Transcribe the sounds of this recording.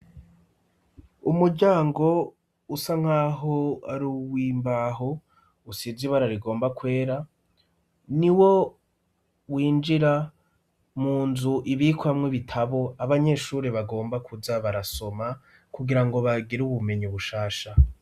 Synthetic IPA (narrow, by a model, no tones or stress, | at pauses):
umuɾɟaːŋɡo̞ | usaŋ̥haːɦoaɾuwiːmbaːɦo | usiziβaɾaɾiɡo̞ːmbakwe̞ːɾa | niwo̞ | wiːnd͡ʒiɾa | muːnzuʔiβikuamŋeβitʰaβo̞aβaɲe̞ʃuːɾeβaɡo̞ːmbakʰuzaβaɾaso̞ma | kuɡiɾaŋɡo̞βaɡiɾuβume̞ɲiβuʃaːʃa